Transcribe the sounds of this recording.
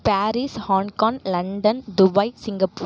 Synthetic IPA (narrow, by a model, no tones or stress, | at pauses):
paːɾishaːŋkaːŋlɐɳɖɐnd̪ʊbɐɪsɪŋɡɐpuː